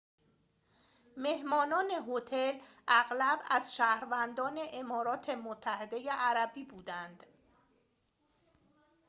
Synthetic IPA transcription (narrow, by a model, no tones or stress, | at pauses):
me̞hmɒːnɒːne̞ɦot̪ʰel | æɣlæbæzʃæhɾvænd̪ɒːne̞ʔemɒːɾɒːt̪ʰe̞mot̪ʰːæhe̞d̪e̞jeʔæɾæbiːbuːd̪ænd̪̥